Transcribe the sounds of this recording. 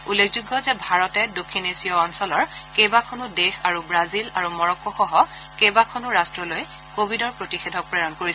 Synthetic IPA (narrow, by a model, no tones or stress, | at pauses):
ulːekʰzuɡːɔzɛbʱaɹɔtɛdokʰːinesijɔːnsɔlɔɹkejbakʰɔnʊdexaɹubɹazilaɹumɔɹɔkːɔxɔɦɔ | kejbakʰɔnʊɹastɹɔloj | kobʱidɔɹpɹotixedʱɔk̚pɹɛɹɔnkoɹisɛ